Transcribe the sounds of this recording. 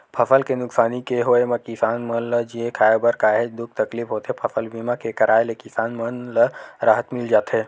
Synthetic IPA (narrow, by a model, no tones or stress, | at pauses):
pʰɐfəlkenʊksaːnikeɦoːemɐkɪsaːnmənləd͡ʒiekʰaːjobəɾkaːɦed͡ʒd̪ʊk̚t̪ɐkliːfɦoːt̪ɦepʰɐfəlbiːmakekɐɾaːelekɪsaːnmənləɾaːɦət̪mɪld͡ʒaːt̪ɦeː